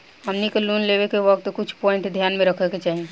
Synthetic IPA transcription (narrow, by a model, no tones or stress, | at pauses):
ɦɐmnikeluːnleːwekeʋɐk̚t̪kʊt͡ʃʰpɔːɪ̃ɳʈd̪ʱjaːnmẽɾɐkʰəket͡ʃaːɦie